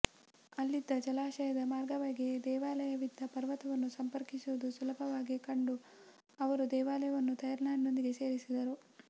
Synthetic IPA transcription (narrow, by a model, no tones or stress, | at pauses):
ɐlːid̪ːɐd͡ʒɐlaːʃɐjɐd̪ɐmaːɾɡɐʋaːɡid̪ɛːʋaːlɐjɐʋid̪ʱːɐpɐɾʋɐt̪ɐʋɐnːusɐmpɐɾkisuʋɐd̪usulɐbʱɐʋaːɡikɐɳɖu | ɐʋɐɾud̪ɛːʋaːlɐjɐʋɐnːut̪ɐjɐɾnaːnno̞nd̪iɡe̞se̞ːɾisid̪ɐɾu